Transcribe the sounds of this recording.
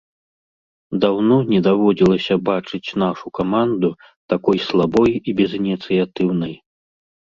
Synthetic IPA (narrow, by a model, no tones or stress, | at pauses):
d̪awnɔnʲɛd̪avɔd͡zʲilˠɐsʲɐbat͡ʂɨt͡sʲn̪aʂukamand̪u | t̪akɔjslˠabɔjibʲɛzinʲit̪sɨjat̪ɨwnɐj